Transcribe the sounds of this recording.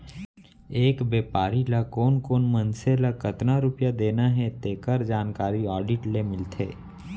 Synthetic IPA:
eːkbeːpaːɾilakoːnkoːnmənselakət̪naɾʊpjad̪eːnaɦɛt̪eːkəɾd͡ʒaːnkaːɾiɔːɖɪʈlemɪlt̪ʰḛː

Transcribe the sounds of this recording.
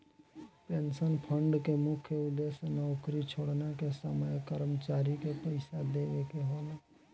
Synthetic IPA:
pensənpʰəɳɖkemʊkʰjəud̪esnɔʊkɾit͡ʃʰoɽnakesəməjkəɾəmət͡ʃaɾikepəɪsad̪eʋekeɦola

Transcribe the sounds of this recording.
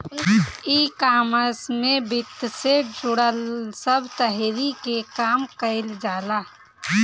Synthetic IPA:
ikaːməsmẽbɪt̪ːsed͡ʒʊɽəlsəbʱt̪əɦɾikekaːmkəɪld͡ʒaːlaː

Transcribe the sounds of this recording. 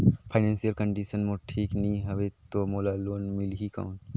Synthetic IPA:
pʰaɪnẽːnsiəlkə̃ɳɖiːʃənmoʈʰiːknɐĩɦɐʋet̪omoːlaloːnmɪlɦika̰ːn

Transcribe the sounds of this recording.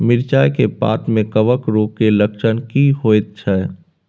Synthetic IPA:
mɪɾt͡ʃaːjkepa̰ːt̪mẽkəʋəkɾoːkːeləkʃənkiɦoːet̪̚t͡ʃʰɛ

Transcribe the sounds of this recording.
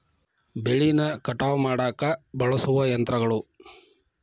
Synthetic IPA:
beɭinɐkɐʈaːʋɐmaːɽaːkɐbɐɭɐsuʋɐjɐnt̪ɾɐɡɐɭu

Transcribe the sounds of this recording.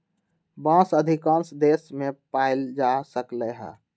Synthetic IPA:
bãːsəd̪ʱikãːnsd̪eːsmẽpaɪld͡ʒasəkleɦɛ̰ː

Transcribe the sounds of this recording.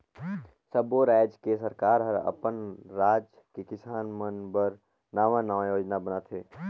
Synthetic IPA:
səboɾɛːd͡ʒkesəɾkaːɾɦəɾə̰pənɾaːd͡ʒ | kekɪsaːnmənbəɾ | naːʋãnaãjoːd͡ʒnabənaːt̪ʰeː

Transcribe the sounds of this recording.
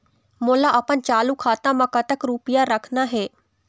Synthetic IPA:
moːlaːʔəpənt͡ʃaːluːkʰaːt̪ãːməkaːt̪əkɾuːpɪjaːɾəkʰnaːɦɛː

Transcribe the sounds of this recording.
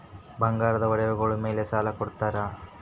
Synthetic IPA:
bɐŋɡaːɾɐd̪ɐʋɐɽɛʋuɡɐɭume̞ːlesaːlɐkɔɽut̪ːaːɾɐ

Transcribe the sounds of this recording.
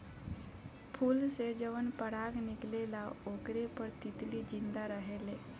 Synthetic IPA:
pʰuːlsed͡ʑəʋənpəɽaɡniɡlelaokɽepəɾt̪it̪liːd͡ʑind̪aɾəɦele

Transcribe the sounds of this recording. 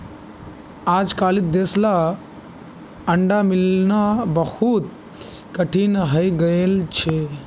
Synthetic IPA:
aːd͡ʒkaːlit̪̚d̪eːsla | əɳɖamɪlnabəhuːt̪̚ | kəʈʰinɦəjɡəjelt͡ʃʰe

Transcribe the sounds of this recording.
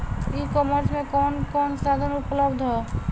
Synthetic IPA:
ikɔməɾsmẽkɔːnkɔːnsad̪ʱənupləbd̪ʱɦɛ

